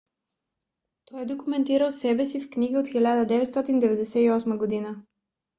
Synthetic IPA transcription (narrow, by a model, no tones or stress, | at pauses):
t̪ɔjɛd̪okumɛnt̪iɾəlˠsɛbɛsifkniɡəot̪xilʲad̪əd̪ɛvɛt̪st̪ɔt̪ind̪ɛvɛd̪ɛsɛiɔsməɡod̪inə